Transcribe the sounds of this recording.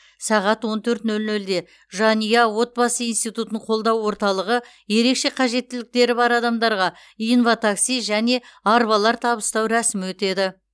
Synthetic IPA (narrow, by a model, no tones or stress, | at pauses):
sɑʁɑt̪wo̞nt̪ʰɵɾt̪nɵlnɵld̪e̞ | ʒɑnijɑwo̞t̪̚bɑsəijnst̪ijt̪ut̪əɴqʰo̞lˠd̪ɑwːo̞ɾt̪ɑlˠəʁə | je̞ɾe̞kʃe̞qʰɑʒe̞t̪ːɪlɪk̚t̪e̞ɾɪbɑɾɑd̪ɑmd̪ɑɾʁɑ | ijnfat̪aksijʒæne̞ɑɾbɑlˠɑɾt̪ʰɑβəst̪ɑwɾæsɪmwɵt̪e̞d̪ɪ